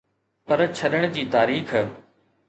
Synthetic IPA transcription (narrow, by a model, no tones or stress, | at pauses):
pɐɾt͡ɕʰɐɗəɽ̃d͡ʑiːt̪aːɾiːx